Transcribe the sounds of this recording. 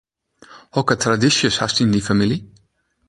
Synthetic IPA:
hɔkət̪ʰɾadɪʃjəshast̪ɪ̃nd̪ifamɪli

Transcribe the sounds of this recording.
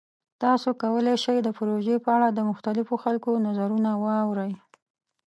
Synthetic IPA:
t̪ɑsokawəlaʃajd̪əpɾoʒepəaɽad̪əmʊxt̪alɪfoxalkonazaɾunawɑwɾəj

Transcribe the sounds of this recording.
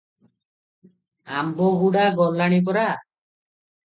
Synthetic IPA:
ambɔɡuɽaɡɔlːaɽ̃ip̬ɔɾa

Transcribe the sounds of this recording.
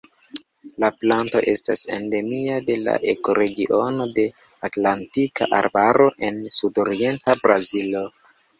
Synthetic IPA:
laplanto̞̰ʔe̞sta̰sḛnde̞miade̞la̰ʔe̞ko̞ɾe̞ɡiʔo̞no̞de̞ | atlantika̰ʔa̰ɾbaɾo̞ʔe̞nsudo̞ɾie̞ntabɾazilo̞

